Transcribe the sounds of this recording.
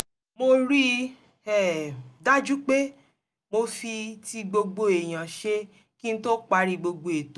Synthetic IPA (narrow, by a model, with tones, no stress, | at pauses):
mo˧ɾi˦ | ɛ˨da˦d͡ʒu˦k͡pe˦ | mo˧fi˧ti˧ɡ͡bo˧ɡ͡bo˧e˨j̃ã˨ʃe˦ | ki˦ñ̩˦to˦k͡pa˧ɾi˧ɡ͡bo˧ɡ͡bo˧˨e˨to˨˦